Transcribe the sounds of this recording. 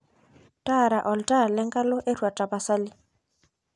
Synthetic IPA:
tʼa˦ɾa˨ʔɔ˨ltʼa˦a˨lɛ˦ŋkʼa˦lʊ˦ʔe˦rwa˨tʼa˨ba˨sa˦lɪ˦

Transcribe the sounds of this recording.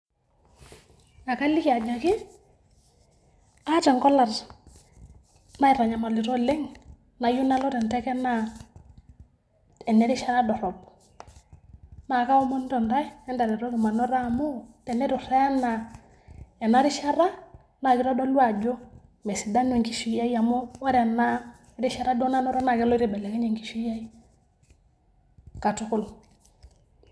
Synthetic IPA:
a˨ka˦li˦ki˨a˨d͡ʒa˨ki˦ | a˦t͡ʃa˨ŋkɔ˦la˨r | ma˦i˨ɾa˨ɲa˨ma˨li˨ɾɔ˦le˦ŋ | na˨ju˦na˦lɔ˦tɛ˨ntɛ˦kɛ˦na˨ | ɛ˨nɛ˦ɾi˦ʃa˦ɾa˦dɔ˨ɾɔ˨b̚ | ma˨ka˦ɔ˦mɔ˦ndɔ˨nda˦jɛ˦nda˨ɾi˨ɾɔ˦ɡi˨ma˨nɔ˦ɾa˦˨mɔ˦tɛ˨nɛ˦ɾu˨ɾɛ˦na˨ | ɛ˨na˨˦ɾi˦ʃa˦ɾa˦ | na˨ki˦ɾɔ˦dɔ˦lwa˨d͡ʒɔ˦ | mɛ˨si˨da˦nu˨ŋki˦ʃi˦ja˦i˦a˨mɔ˦wa˦ɾɛ˨na˦ | ɾi˦ʃa˦ɾa˦dɔ˦na˦nɔ˦ɾɔ˦na˨kɛ˦lɔ˦ɾi˨bɛ˨lɛ˨kɛ˦ɲe˨ŋki˨ʃi˦ja˦i˦ | ka˨tu˦kʊ˦˨l

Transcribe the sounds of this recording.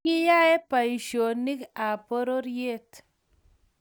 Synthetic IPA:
ɪ˦ja˦ɛ˦pa˨i˨ʃo˨ni˦ka˨po˦ɾo˦ɾje˦˨t

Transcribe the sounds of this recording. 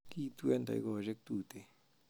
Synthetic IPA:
ki˦t̪we˦nd̪a̰˨jɡo˧ʒe˦k̚t̪u˦˨t̪e˨

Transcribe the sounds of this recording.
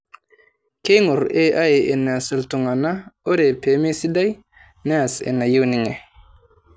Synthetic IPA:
ke˦jŋo˨ɾe˦ʔa˦je˨ʔe˨ne˨a˨sə˨ltu˨ŋa˨na˦o˦ɾe˨pe˨˦mi˦si˦da˦j | ne˦a˨sḛ˨nːa˨ji˦wni˨ŋe˨

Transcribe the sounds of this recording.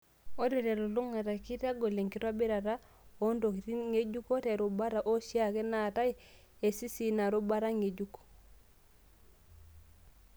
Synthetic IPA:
o˦de˨ɾe˨lo˨lu˦ŋa˨ta˨ki˦ta˦ɡo˨le˨ŋki˦twa˦bi˦ɾa˨ɾa˦ | o˦ndo˨ki˨ti˦ŋe˦d͡ʒu˦ko˦te˨ɾu˨ba˦ɾa˨ʔo˦ʃi˦a˦˨ke˦na˨ta˦j | e˨si˦si˨na˨ɾu˦ba˦ɾa˦ŋe˨ɟuk

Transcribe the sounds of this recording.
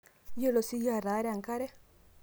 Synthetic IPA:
jɔ˦lɔ˨si˦ja˨ɾa˨˦ɾɛ˦a˨ŋka˦ɾɛ˦

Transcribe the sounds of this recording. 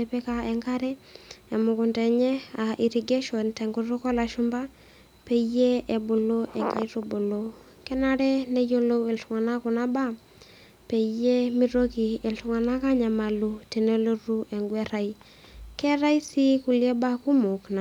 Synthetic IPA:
e˨pɛ˦ka˦ɛ˨ŋka˦ɾɛː˦˨mʊ˨kʊ˨ntɛ˨ɲɛ˦a˨ʔi˨ɾi˨ɡe˦ʃɔ˨ntɛ˨ŋɡu˨ɾo˦kɔ˦la˨ʃu˦mba˦ | pe˦je˦e˨bo˨lo˦ʔɛ˨ŋka̰˨i˦ɾo˦bo˨lo˦ | kɛ˦na˦ɾɛ˦ne˦jo˦lo˦we˨ltu˨ŋa˨na˦ku˨na˦ba˦ | pe˨je˦mi˦ɾo˦ki˨e˨ltu˨ŋa˨na˦ka˦ɲa˨ma˨lu˦te˨ne˦lo˦ru˦ʔɛ˨ŋɡwɛ˦ɾa˨i | kɛ˦ɾa˦i˦si˦ku˨ljɛ˦ba˦ku˦mʊ˨kna˨

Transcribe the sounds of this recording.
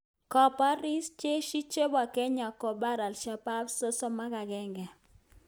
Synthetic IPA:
kɔ˨pa˦ɾi˦st͡ʃe˦ʃi˦t͡ʃe˦ba˨kɛ˦ɲa˨kɔ˨ba˦ɾa˨lʃa˨pa˦bso˦so˦ma˦ka˨ɡɛ˦ŋɡɛ˨

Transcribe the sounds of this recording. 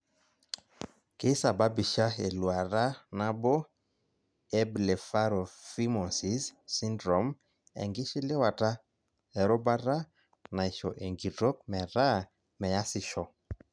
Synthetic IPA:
ke˦sa˨ba˦bi˨ʃa˦e˨lwa˨ɾa˦na˦bo˦ | ɛ˦ble˨fa˦ɾɔ˨fi˦mɔ˨nsi˦sːi˦ndɾɔ˨m | ɛ̰˨ŋɡɪ˦ʃɪ˦lɪ˦wa˨ta˦ | ɛ˨ɾɔ˦ba˦ɾa˦ | na˨i˨ʃɔ˨ʔe˨ŋɡi˨to˦kmɛ˨ɾa˦ | mɛ˨ja˦sɪ˨ʃɔ˨

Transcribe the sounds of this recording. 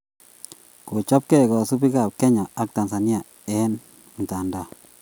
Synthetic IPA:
ko˨t͡ʃa˦p̚kɛ˦kɔ˨su˦pi˦ka˦˨p̚kɛ˦ɲa˨a˦k̚ta˨nsa˨ni˦a˨ | ɛ˦n | m̩˨ta˨nda˦˨

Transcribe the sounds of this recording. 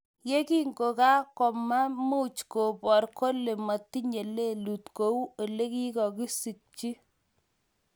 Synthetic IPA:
je˦ki˦ŋɡo˨ka˦kɔ˨ma˦mu˦t͡ʃko˨pɔ˨rko˦le˨ma˨tːi˦ɲe˨le˦lu˨tko˨˦wu˦o˨le˦ki˦kɔ˨ki˦si˨k̚t͡ʃi˦

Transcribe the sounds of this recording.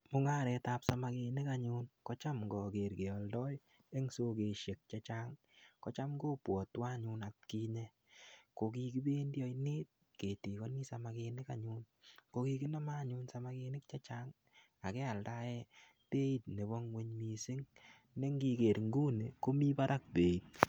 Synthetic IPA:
mʊ˦ŋa˦ɾɛ˧ta˦psa˨ma˧ke˧nɪ˦ka˨ɲʊ˧nkɔ˦t͡ʃa˦mŋɡɔ˨ke˨ɾke˨ɔ˨ldɔ˦j | e˦ŋso˦ke˨ʃe˨k̚t͡ʃa˦t͡ʃa˦ŋ | kɔ˦t͡ʃa˦mɡoː˦pwɔ˨twa˦ɲu˧na˨t̚ki˧ɲe˦ | ko˨ki˧ki˦be˦ndjɔ˦ine˦t̚ | ke˨ti˨kɔ˦ni˦sa˨ma˨ke˧nɪ˦ka˨ɲu˦n | ko˧ki˧ki˦na˦ma˦˨ɲu˧nsa˨ma˦ke˧nɪ˦k̚t͡ʃa˦t͡ʃa˦ŋ | a˨kɛ˦a˨lda˦jɛ˦ | pe˦i˦t̚ne˨bɔ˦ŋwe˦ɲmi˨sɪ˦ŋ | ne˦ŋɡi˨˧ke˨ɾŋɡu˦ne˨ko˦mi˦pa˦ɾa˦k̚pe˨i˨t̚

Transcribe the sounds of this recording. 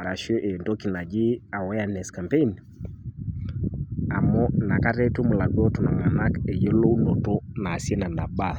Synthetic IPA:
a˨ɾa˨ʃɔ˦ʔɛ˨ndɔ˦ki˨na˨d͡ʒi˦a˨wɛ˦a˦nɛ˨ska˨mpe˦n | a˨mɔ˦na˨ka˦ɾɛ˦tu˦mu˨la˨ɡɔ˦tu˨na˨mwa˨na˦kɛ˨jɔ˦lo˦u˦nɔ˨tɔ˦naː˨sɛ˦na˨na˨ɓa˦

